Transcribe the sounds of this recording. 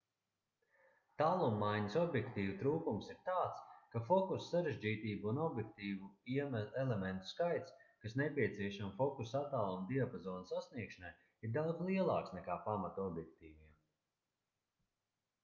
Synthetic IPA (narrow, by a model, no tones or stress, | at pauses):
t̪alˠumːajɲəsɔbjɛkt̪iːvut̪ɾuːkumsiɾt̪aːt̪skafɔkussaɾeʒd͡ʒiːt̪iːbuunɔbjɛk̚t̪iːvuiɛmɛlement̪u̥skajt̪skasnepʲiɛt̪siɛʃamfɔkusat̪aːlˠumd̪iapazɔːnsasniɛkʃanaj | iɾd̪awd̪zlˠiɛlˠɑ̰ːksnɛkaːpamat̪ɔbjɛk̚t̪iːviɛm